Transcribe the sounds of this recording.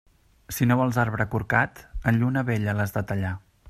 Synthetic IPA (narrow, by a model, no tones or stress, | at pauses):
sinoβɔlˠzaɾβɾəkuɾkat̪ənʎunəβɛʎələzd̪ət̪əʎa